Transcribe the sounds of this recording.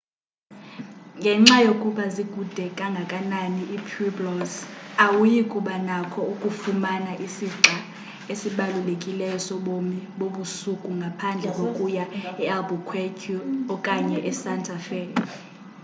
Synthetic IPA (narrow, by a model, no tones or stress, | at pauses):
ŋɡʱɛŋ͡ǁajokʼuɓaziɡʼʱud̥ʱɛkʼaŋɡʱakʼananiʔipʰiblɔzawujikʼuɓanakʰɔukʼufumanaʔisiǁa | esiɓalulekʼilɛjɔsɔɓomiɓoɓusukʼuŋɡʱapʰand͡ɮʱɛkʼokʼujaɛalbɔkʰwekʰuɔkʼaɲɛʔɛsantʰʼafɛː